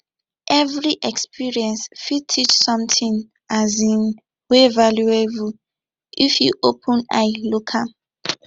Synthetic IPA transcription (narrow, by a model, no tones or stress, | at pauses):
ʔɛvɹiʔɛkspiɹiɛ̃nsfid̚tʰit͡ʃsɔ̃mtĩŋ | ʔazĩn | wevaljuebu | ʔifjuʔopʰə̃na̰jlukʰa